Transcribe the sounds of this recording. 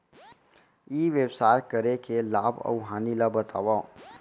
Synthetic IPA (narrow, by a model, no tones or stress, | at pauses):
iːʋewsaːkəɾekelaːbə̰ʊɦaːnilabət̪ʰaːʋa